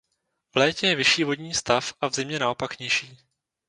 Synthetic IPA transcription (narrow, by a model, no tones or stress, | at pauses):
vlɛːcɛjɛvɪʃiːvo̞dɲiːst̪afʔavzɪmɲɛnao̞pakɲɪʃiː